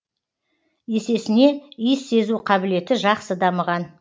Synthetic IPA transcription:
je̞se̞sɪne̞ijsːe̞zuqʰɑbɪle̞t̪ɪʒɑqsəd̪ɑməʁɑn

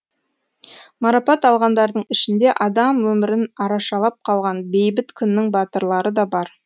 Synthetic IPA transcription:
mɑɾɑpɑt̪ɑlˠʁɑnd̪ɑɾd̪əɴɪʃɪnd̪e̞ʔɑd̪ɑmwɵmɪɾɪnɑɾɑʃɑlˠɑp̚qʰɑlˠʁɑnbe̞jbɪt̪kʲʰʏnːɪŋbɑt̪əɾlˠɑɾəd̪ɑbɑɾ

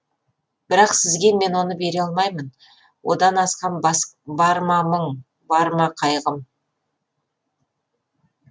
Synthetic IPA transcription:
b̥ɪɾɑqsɪzɡʲe̞me̞nwo̞nəbe̞ɾeɑlˠmɑjmən | wʔo̞̰d̪ɑnɑsqɑnbɑɾmɑməɴ | bɑɾmɑqʰɑjʁəm

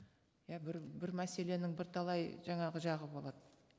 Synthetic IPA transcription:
jæbɪɾbɪɾmæse̞le̞nɪŋbɪɾt̪ʰɑlˠɑjʒɑɴɑʁəʒɑʁəbo̞lˠɑd̪ə

